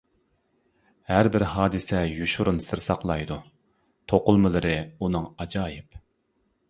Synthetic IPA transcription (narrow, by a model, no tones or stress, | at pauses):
hæɾbɪɾhɑːd̪ɨsɛjuʃuɾunsɨɾsɑqlˠɑjd̪u | t̪ʰoqʊlˠmɨlˠɨɾɨunɨŋɑd͡ʒɑːjɪp